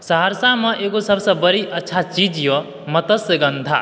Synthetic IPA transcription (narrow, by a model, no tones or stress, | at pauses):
səɦəɾsamẽʔeːɡosəbsə̃bəɾiʔətːʃʰat͡ʃid͡ʒjo | mət̪əsəɡə̃nd̪ʱa̰